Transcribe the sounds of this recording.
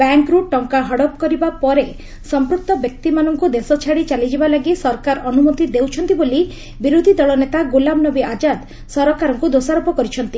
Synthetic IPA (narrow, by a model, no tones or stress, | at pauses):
baŋkɾuʈɔŋkaɦɔɽɔp̚kɔɾibapɔɾe | sɔmpɾuk̚t̪ɔbjɔk̚t̪imanɔŋkud̪esɔt͡ʃʰaɽit͡ʃalid͡ʒibalaɡisɔɾɔkaɾɔnumot̪id̪ewt͡ʃʰɔnt̪iboli | biɾod̪ʱid̪ɔɭɔnet̪aɡolambnɔbiʔad͡ʒad̪ | sɔɾɔkaɾɔŋkud̪osaɾɔpɔkɔɾit͡ʃʰɔnt̪i